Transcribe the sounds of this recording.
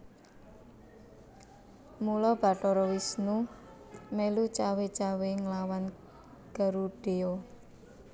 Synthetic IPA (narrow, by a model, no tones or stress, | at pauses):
mulɔb̥a̤ʈɔɾɔwisnu | melut͡ʃawet͡ʃaweŋlawan | ɡ̥ə̤ɾuɖ̥e̤ɔ